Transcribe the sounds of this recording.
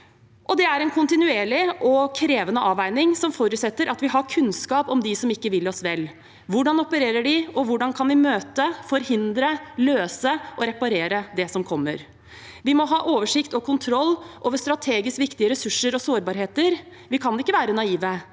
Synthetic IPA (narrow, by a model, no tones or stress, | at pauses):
ʔɔd̪ɛæɾɛnkʰʊnt̪ɪnʉeːɭɪʔɔkʰɾeːʋənəʔɑːʋæɪnɪŋsɔmfɔɾʉːt̪sɛt̪ːəɾɑt̪ʋɪɦɑɾkʰʉnskɑːpɔmd̪ɪsɔmɪkːəʋɪlːɔsʋɛlː | ʋʊɖɑnɔpəɾeːɾəɖɪɔʋʊɖɑnkʰɑnʋɪmøːt̪əfɔɾhɪnd̪ɾəløːsəʔɔɾɛpɑɾeːɾəd̪ɛsɔmkʰɔmːə̰ɾ | ʋɪmɔɦɑːʔoːʋəʂɪkt̪ɔkʰʊnt̪ʰɾɔlːʔoːʋəʂt̪ɾɑt̪ʰeːɡɪskʋɪkt̪ɪəɾɛsʉʂːəɾɔsoːɾbɑːɾheːt̪əɾ | ʋɪkʰɑnɪkːəʋæːɾənɑiːʋə